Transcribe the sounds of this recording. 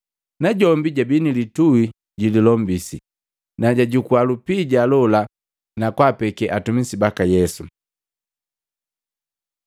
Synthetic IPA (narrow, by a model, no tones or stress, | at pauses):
naɟɔmbiɟabinilituwi | ɟililɔmbisi | naɟaɟukualupiɟalɔla | nakwapɛkɛʔatumisibakajɛsu